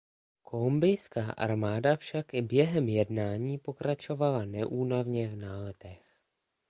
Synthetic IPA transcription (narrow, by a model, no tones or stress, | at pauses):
kʰolumbɪjskaːʔa̰ɾmaːdafʃakɪbjɛɦɛmjɛdnaːɲiːpo̞kɾat͡ʃo̞valanɛʔuːnavɲɛvnaːlɛt̪ɛx